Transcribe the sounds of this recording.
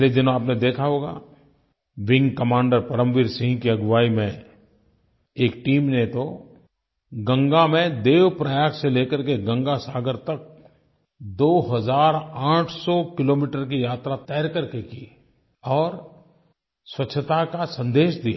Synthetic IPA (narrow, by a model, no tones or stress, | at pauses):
led͡ʒɪnõaːpned̪eːkʰaɦoːɡa̰ | ʋɪ̃ŋɡkɐmãːɳɖəɾpɐɾə̃mʋiɾsɪ̃ŋkiɐɡʋaːimẽ | eːk̚ʈiːmnet̪o | ɡə̃ŋɡamẽd̪eːʋpɾəjaːkseleːkəɾkeɡɐ̃ŋɡasaːɡəɾt̪ɐk̚ | d̪oːɦɐzaːɾãːʈʰsɔkɪloːmiːʈəɾkijaːt̪ɾat̪ɛːɾkəɾkekiː | ɔːɾ | swɐtːʃʰət̪akasɐ̃nd̪eːʃd̪ija